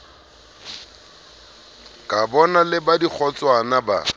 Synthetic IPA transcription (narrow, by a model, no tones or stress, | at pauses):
kʼabɔnalɪbadik͡xʰɔt͡sʼwanaba̰